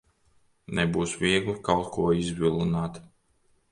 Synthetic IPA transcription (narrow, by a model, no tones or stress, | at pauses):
nɛbuːsvʲiɛɡlikalˠt̪kuɔizvʲilˠunaːt̪